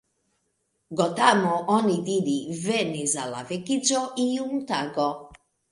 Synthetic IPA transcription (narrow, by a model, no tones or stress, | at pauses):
ɡɔt̪amɔʔɔnid̪id̪ivɛnizala̰vɛkit͡ʃɔʔijumut̪aɡɔ